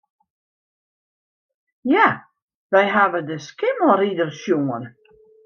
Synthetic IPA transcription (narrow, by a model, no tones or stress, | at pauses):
ja | ʋɛjɦaʋədəskɪməlˠridərsjoən